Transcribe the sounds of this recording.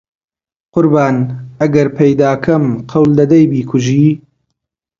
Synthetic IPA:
qʊɾbaːnɐɡɐɾpʰɐjd̪aːkʰɐmqʰɐwld̪ɐd̪ɐjbiːkʰʊʒiː

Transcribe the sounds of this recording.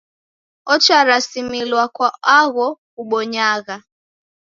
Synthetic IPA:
ɔt͡ʃaɾasimilwakwaaɣɔ | uɓɔɲaɣa

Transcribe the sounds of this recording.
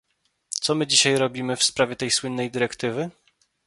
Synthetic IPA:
t̪sɔmɘd͡ʑiɕajɾɔbʲimɘfspɾavʲjɛt̪ɛjswɘnːɛjd̪ɘɾɛkt̪ɘvɘ

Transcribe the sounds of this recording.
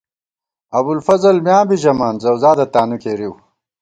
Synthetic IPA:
ɐbulfɐzɐlmjãːbiʑɐmaːnzɐwzaːd̪ɐt̪aːnukeːɾiw

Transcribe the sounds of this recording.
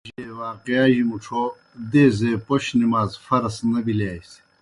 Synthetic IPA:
ʑiewaːqijaːʑimuʈ͡ʂʰo | d̪eːzepoɕnimaːzfɐɾɐsnɐbilaːjsi̥

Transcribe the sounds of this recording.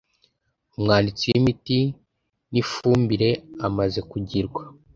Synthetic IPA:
umŋaːndit͡sijimiti | nifuːmbiɾe̞amaze̞kuɟiɾɡwa

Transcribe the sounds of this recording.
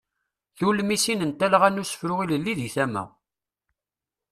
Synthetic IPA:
θulmisinənt̪æləʁænusə̥fɾʊʁiləlːiðiθæmæ̰

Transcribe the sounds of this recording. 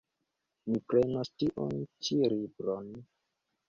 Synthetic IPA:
mipɾenastiʔo̰nt͡ʃiɾibɾon

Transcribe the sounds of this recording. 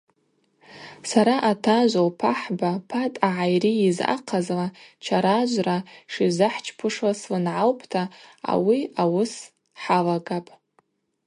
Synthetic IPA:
saɾaʔatʰaʒʷowpʰaħbapʰatʼaʕajriːza̰qʰazlat͡ʃʰaɾaʒʷraʂizɨħt͡ʃʰpʰɨʂwaslɨnʕalpʰtʰaa̰wiawʊs | ħalaɡapʼ

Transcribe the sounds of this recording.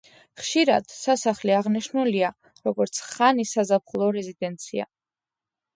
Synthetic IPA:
χʃiɾad̪̥sasaχliaʁniʃnulia | ɾɔɡɔɾt̪sʰχanisazapχlˠɔɾɛzid̪ɛnt̪sʰia̰

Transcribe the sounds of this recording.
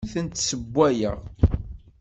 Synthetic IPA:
θənt̪səbʷːæjə̰ʁ

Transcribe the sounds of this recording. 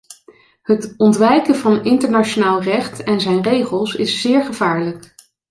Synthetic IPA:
hətɔntʋɛjkəvɑnɪntəɹnat͡ʃonaːlˠrɛχtɛnzɛjnrejχəlˠsɪsːɪːɹχəv̥aːɹlək

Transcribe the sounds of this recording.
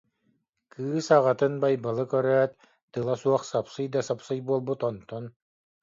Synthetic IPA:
kʰɯːsaʁat̪ɯnbajbalˠɯkœɾœːt̪̚ | t̪ɯlˠasuɔχsapsɯjd̪asapsɯjbuɔlˠbut̪ɔnt̪ɔn

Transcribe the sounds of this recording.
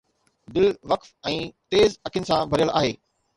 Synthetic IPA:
d̪ɪlʋɐkfɛ̃ːt̪eːzɐkʰɪʊnɪ̆sãbʱɐɾijəla̰ːɦeː

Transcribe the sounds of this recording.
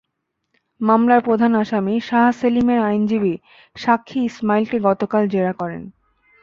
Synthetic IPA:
mamlaɾpɾod̪ʱanaʃamiʃaɦaselimeɾajnd͡ʑibi | ʃakʰːiismailʈiɡɔt̪okald͡ʑeɾakɔɾḛn

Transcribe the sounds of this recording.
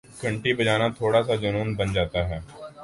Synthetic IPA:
ɡəɳʈiːbəd͡ʒaːnaːt̪ʰoːɽaːsaːd͡ʒənuːnbənd͡ʒaːt̪aːɦɛː

